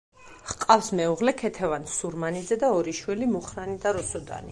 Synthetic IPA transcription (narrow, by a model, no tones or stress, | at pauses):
χqʼafsmɛuʁlɛkʰɛt̪ʰɛvansuɾmanid̪zɛd̪aɔɾiʃwilimuχɾanid̪aɾɔsɔd̪a̰ni